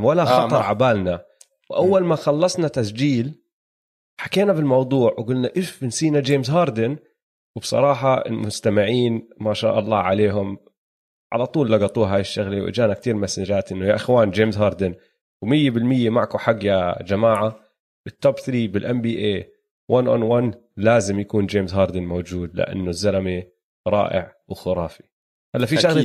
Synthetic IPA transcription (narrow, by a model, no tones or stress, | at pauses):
walaxɑt̪ˤɑɾˤʕabaːlna | wʔawːalmaxɑlːɑsˤnat̪asd͡ʒiːl | ħakeːnabɪlmɑwd̪ˤuːʕwɪɡʊlnaʔɪfɪnsiːnad͡ʒeːmzɦɑːɾˤd̪ɪn | wɪbsˤɑ̰ɾˤɑːħɑɪ̰lmʊst̪amɪʕiːnmaʃa̰ːʔɑlˤːɑ̰ːʕaleːɦʊm | ʕa̰lɑt̪ˤuːlːɑɡɑt̪ˤuːɦaːjɪʃːaɣlewʔɪ̰d͡ʒaːnak̚t̪iːɾmasaːd͡ʒaːt̪ʔɪnːʊjaʔɪxwaːnd͡ʒeːmzɦɑːɾˤd̪ɪn | wmɪjːebɪlmɪjːemaʕkuħaɡːjad͡ʒamaːʕa | b̥ɪt̪ːɑbθɾiːbɪlʔambiːʔeː | wʔanʔɔ̰nwan | laːzɪmjakuːnd͡ʒeːmzɦɑːɾˤd̪ɪnmowd͡ʒuːd̪lɪ̰ʔa̰nːʊzːalami | ɾˤɑ̰ːʔɪ̰ʕ | wxʊɾˤɑːfi̥ | halːaʔfiʃaɣl